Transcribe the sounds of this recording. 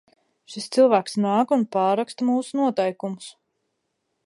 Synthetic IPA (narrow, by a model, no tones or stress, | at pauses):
ʃist̪silˠvæːksnaːkunpaːɾakst̪amuːsunuɔt̪ɛjkumʊs